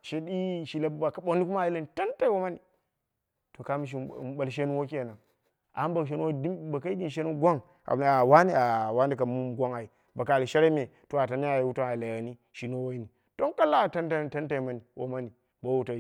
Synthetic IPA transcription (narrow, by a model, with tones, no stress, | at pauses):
ʃe˨di˦ʃi˨la˦bu˦ba˨ka˨ɓo˦ni˦ku˦ma˦˨ji˦la˦n˨ta˦nta˦i˦wo˦ma˦ni˨ | to˨ka˦mi˦ʃ̬i˨˦ɓa˨lʃ̬e˦nu˦wo˦ke˦˨na˨ | a̰˨˦ba˨ʃ̬e˦n˦wo˦di˦ba˨ka˦i˦di˦n˨ʃ̬e˦nu˦ɡʷo˦ŋ | a̰˨na˨˦a˨wa˦ni˦a˨wa˦ni˦ka˨mu˦m˦ɡo˦ŋa˨i˨ | ba˨ka˨li˨ʃe˦ɾa˦me˨ | to˨a˨ta˨ni˦a˨ji˨wu˦to˦ŋa˨i˨la˨a˨ni˦ | ʃi˨no˦wo˦i˦ni˨ | d̥o˦ŋka˦la˦˨ta˦nta˦˨ta˦nta˦˨i˨ma˦ni˨wʔo̰˨ma˦ni˨ | bo˨˦wu˦˨to˨i˨